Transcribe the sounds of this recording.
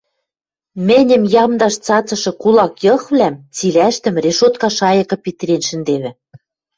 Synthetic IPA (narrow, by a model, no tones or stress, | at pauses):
mɘ̆nʲɘ̆mjɑmd̪ɑʃt͡sɑt͡sɤ̆ʃɤ̆kulˠɑkjɤ̆xβlæmt͡silæʃt̪ɘ̆mreʃot̪kɑʃɑjɤ̆kɤ̆pit̪ɘ̆ɾʲenʃɘ̆nd̪eβɘ̆